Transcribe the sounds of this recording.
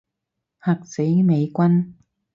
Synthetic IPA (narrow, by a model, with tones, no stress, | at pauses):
hɐ˨k̚se˨˥jme˨˧jkʷɐ˥n